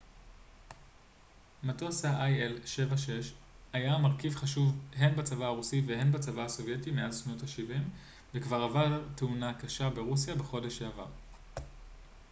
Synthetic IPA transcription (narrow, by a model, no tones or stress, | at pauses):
mato̞saʔajʔelʃe̞vaʃe̞ʃ | ajamaʁkivχaʃuvɦe̞nbat͡savaaʁusiveɦe̞nbat͡savaaso̞vje̞timealʃno̞taʃivim | vekvaʁavaʁt̪eunakaʃabe̞ʁus̬jabeχo̞de̞ʃeava̰ʁ